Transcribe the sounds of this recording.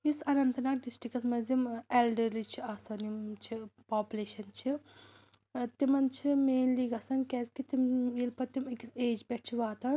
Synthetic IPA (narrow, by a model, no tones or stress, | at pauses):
isɐnɐnt̪ɐnaːk̚ɖisʈɾikɐsmɐzimelɖɐɾlit͡ʃʰiɐsɐnimt͡ʃʰipaːpʲuleːʃɐnt͡ʃʰi | t̪imɐnt͡ʃʰimeːnliːɡɐsɐnkʲɛzkit̪imjilpɐt̪imikiseːd͡ʒbʲɛʈ̚t͡ʃʰiʋaːt̪ɐ